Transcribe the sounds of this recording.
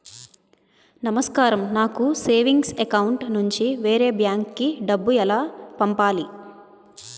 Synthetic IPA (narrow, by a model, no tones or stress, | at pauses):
nɐmɐskaːɾɐmnaːkuseːʋiŋɡsekɐwuɳʈnuɲt͡ʃiʋeːɾe̞ːbjaːŋkːiɖɐbːuɛlaːpɐmpaːli